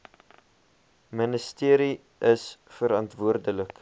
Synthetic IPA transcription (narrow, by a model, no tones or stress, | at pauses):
mənəstiəɾi | ʔəsfəɾɑntvuərdələk